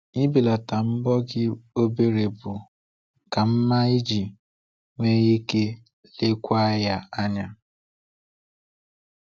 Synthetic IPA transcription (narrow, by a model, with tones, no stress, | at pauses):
i˦bi˨la˨ta˨m̩˦bɔ˦ɡɪ˦o˦be˨ɾe˨bʊ˨ | ka˨m̩˦ma˦i˦d͡ʒi˨ | ŋʷe˦ji˦ke˦ | le˦kʷa˦ja˦a˦ɲa˦